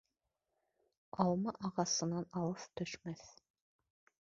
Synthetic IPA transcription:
ɑlˠmɑʔɑʁɑsɤnːɑnɑlˠɤft̪ʰɵʃmæθ

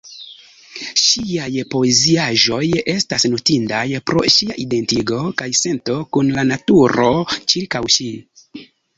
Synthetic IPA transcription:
ʃiajpo̞e̞ziaʒo̞je̞stasnotindajpɾo̞̰ʃiaʔide̞ntiɡo̞kajse̞nto̞kunlanatuɾo̞t͡ʃiɾkawʃi

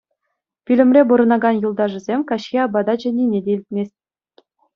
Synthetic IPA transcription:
pʲilʲɘ̆mʲrʲebuɾɤ̆nɑɡɑnjulˠd̪ɑʐɘ̆zʲemʲkɑɕkʲeɑbɑd̪ɑd͡ʑɘ̆nʲinʲedʲeilʲt̪̚ʲmʲesʲt̚ʲ

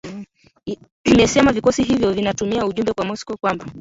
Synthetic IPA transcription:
imɛsɛmavikɔsiɦivjɔvinatumiauʄumbɛkwamɔskɔkwamba

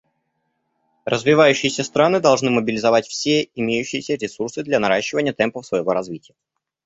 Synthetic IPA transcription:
rʔəzvʲɪvajʉɕːɪjɪsʲəst̪ɾanɨd̪ɐlˠʐnɨməbʲɪlʲɪzɐvatʲfsʲeɪmʲejʉɕːɪjɪsʲəɾʲɪsursɨd̪lʲanɐɾaɕːɪvənʲɪjət̪ɛmpəfsvəjɪvo̞ɾɐzvʲitʲɪjə

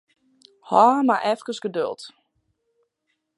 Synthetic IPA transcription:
hɔmaʔɛfkəsɡ̥ədø̰lˠt

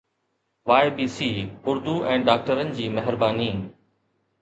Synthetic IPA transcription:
ʋaːɪbiːsiːʊɾd̪uʔɛ̃ːɖaːk̚ʈəɾənɪ̆d͡ʑiːmɐɦɪɾbaːniː

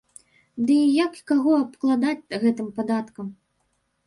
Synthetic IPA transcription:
d̪ɨijakkaɣɔɐpklˠad̪at͡sʲɣɛt̪ɨmpad̪at̪kɐm

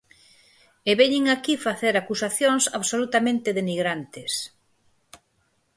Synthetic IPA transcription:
eβɛɲiŋakifaθeɾakusaθjoŋsaβsolut̪amẽnt̪ɪðeniɣɾant̪ɪs

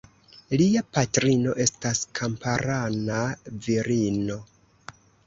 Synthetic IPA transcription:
liapatɾino̞ʔe̞staskʰampaɾanaviɾino̞

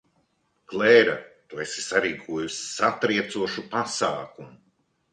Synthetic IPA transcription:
klɛːɾa̰t̪uesi̥saɾiːkʰuɔjussat̪ɾiɛt̪suɔʃupasaːkumu

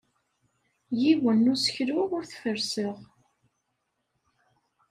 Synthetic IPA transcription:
jiwənːʊsə̥çɾʊʁʊɾθfəɾsəʁ

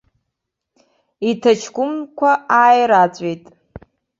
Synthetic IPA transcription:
itʰat͡ʃʰɡʷʊmkʷʰaaːjɾat͡sʷʼejtʼ

